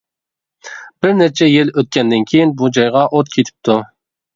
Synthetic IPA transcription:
b̥ɪɾneɾt͡ʃʰɛjɪløt̪̚kʲɛnd̪ɪnkʲʰejinbud͡ʒɑjʁɑʔot̪kʲʰet̪ʰɪ̥p̚t̪ʰu

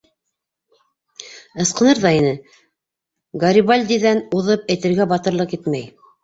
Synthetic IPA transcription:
ɤ̆sqɤ̆nɤɾðɑinɘ | ɡɑɾʲiβalʲd̪ʲiðænuðɤp̚æjt̪ɘ̆ɾɡæbɑt̪ɤ̆ɾlˠɤqit̪mæj

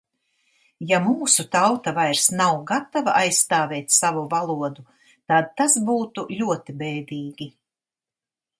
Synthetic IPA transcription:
jamuːsut̪awt̪avajɾsnawɡat̪avaʔajsːt̪aːvɛːt̪ʲsavuvalˠuɔd̪u | t̪ad̪̚t̪asbuːt̪ulʲuɔt̪ibɛːd̪ʲiːɡʲi

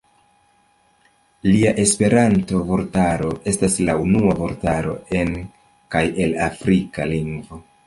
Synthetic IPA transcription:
liaʔe̞spe̞ɾanto̞vo̞ɾtaɾo̞ʔe̞staslaunuavo̞ɾtaɾo̞̰e̞n | kaje̞lafɾika̰liŋɡvo̞

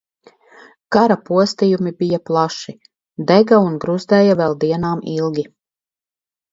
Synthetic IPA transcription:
kaɾapuɔst̪ijumibijaplˠaʃi | d̪ɛɡaunɡɾuzd̪ɛːjavɛlˠd̪iɛnaːmilˠɡʲi

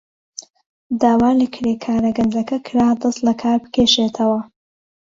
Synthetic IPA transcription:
d̪aːwaːlɨkʰɾeːkʰaːɾɐɡɐnd̪ɾɐkɐkʰɾaːd̪ɐst̪lɐkʰaːɾbɨ̥kʰeːʃeːt̪ʰɐwɐ

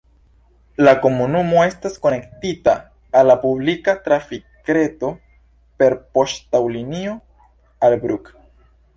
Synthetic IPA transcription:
lako̞munumo̞e̞stasko̞ne̞ktitaː | lːapublikatɾafikɾe̞to̞ | pe̞ɾpo̞ʃtawlinio̞ | albɾuk

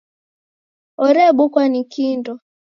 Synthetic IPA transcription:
ɔɾɛɓukwanikindɔ

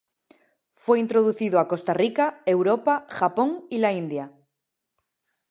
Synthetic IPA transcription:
fwe̞int̪ɾoð̞uθiðoako̞st̪arikae̞wɾopaxapo̞ŋilaind̪ja

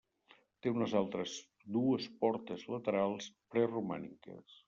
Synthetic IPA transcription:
t̪eunəzalˠt̪ɾəz | d̪uəspɔɾt̪əzlət̪əɾalˠspɾɛruma̰nḭkə̰s

